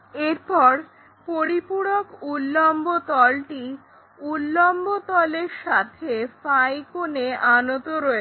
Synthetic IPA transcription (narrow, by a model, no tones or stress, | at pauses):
eɾpɔɾ | poɾipuɽokulːɔmbot̪ɔlʈi | ulːombot̪ɔleɾʃat̪ʰefajkoneanot̪oɾɔe